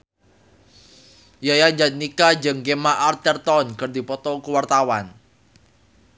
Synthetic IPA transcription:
jajaɲd͡ʒat̪̚nikad͡ʒɨŋkemaʔart̪ɛrt̪ɔnkɨrd̪ipɔt̪ɔkuwart̪awan

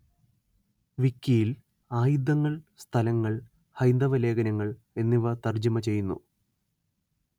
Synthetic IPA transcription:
ʋikʲːijil | aːjud̪ːɐŋːɐɭst̪ʰɐlɐŋːɐɭ | hɐjnd̪ɐʋɐle̞ːɡɐnɐŋːɐɭ | e̞nːiʋɐt̪ɐrd͡ʑɐmɐt͡ɕe̞jːunːṵ

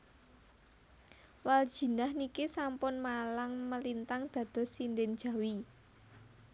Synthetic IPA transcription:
wald̥ʒ̥i̤nahnikisampʊnmalaŋməlint̪aŋd̪̥ä̤d̪̥ɔ̤sind̪ɪnd̥ʒ̥ä̤wi

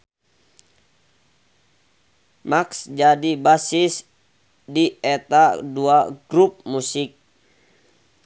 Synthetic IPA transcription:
maksd͡ʒadibasɪs | diɛt̪aduaɡɾup̚musɪk̚

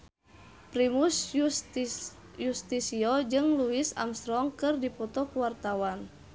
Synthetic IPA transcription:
pɾimuss | just̪isiɔd͡ʒɨŋluisa̰mst̪ɾɔŋkɨrdipɔt̪ɔkuwart̪awan

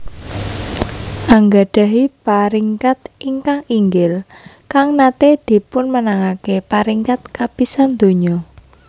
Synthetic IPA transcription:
ʔaŋɡaɖ̥a̤ɦipaɾiŋkat̪iŋkaŋiŋɡɪl | kaŋnat̪ed̪̥i̤pʊnmənaŋakepaɾiŋkat̪̚kapisand̪̥o̤ɲɔ

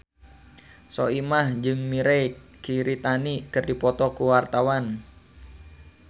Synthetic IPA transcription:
sɔ̰imahd͡ʒɨŋmiɾɛjkiɾit̪anikɨrdipɔt̪ɔkuwart̪awan

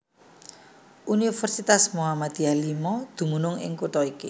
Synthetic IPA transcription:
ʔunifɛrsit̪asmoamad̪̥ialimɔd̪̥ṳmunʊŋɪ̰ŋkuʈɔiki

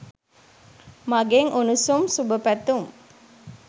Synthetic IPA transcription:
maɡeŋunusumsubəpæt̪um

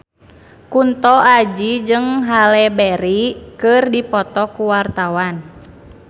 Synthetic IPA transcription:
kunt̪ɔʔad͡ʒid͡ʒɨŋɦalɛbɛɾikɨrdipɔt̪ɔkuwart̪awan

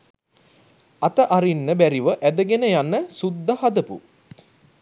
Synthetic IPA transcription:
at̪əʔaɾinːəbæɾiʋəʔæd̪əɡenəjanːəsud̪ːəhad̪əpṵ

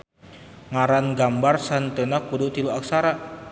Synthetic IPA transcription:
ŋaɾanɡambarsant̪ənakudut̪iluaksaɾa

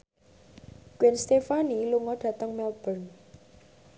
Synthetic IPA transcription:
kwɛnst̪efaniluŋɔɖ̥ä̤t̪əŋmɛlb̥ərn

